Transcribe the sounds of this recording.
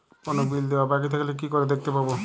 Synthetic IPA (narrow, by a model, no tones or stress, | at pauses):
konobild̪ewabak̬it̪ʰekʰelek̬ikoɾed̪ek̚t̪epabo